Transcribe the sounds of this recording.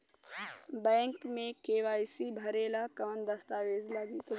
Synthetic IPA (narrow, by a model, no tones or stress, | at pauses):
bɛ̃ːŋkmẽkeːʋaːjsibʱɐɾeːlakɐʋənd̪ɐst̪aːʋeːzlaɡit̪o